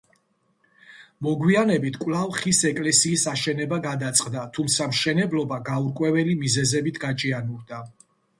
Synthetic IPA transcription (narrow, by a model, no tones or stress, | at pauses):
mɔɡwianɛbit̪ʰkʼwlˠavχisɛkʼlɛsiːsaʃɛnɛbaɡad̪at̪sʼqʼd̪at̪ʰumt̪sʰamʃɛnɛblˠɔbaɡauɾkʼwɛvɛlimizɛzɛbit̪ʰɡat͡ʃʼianuɾd̪a